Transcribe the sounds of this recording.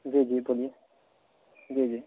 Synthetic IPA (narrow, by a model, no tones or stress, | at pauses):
d͡ʒid͡ʒibolije | d͡ʒid͡ʒi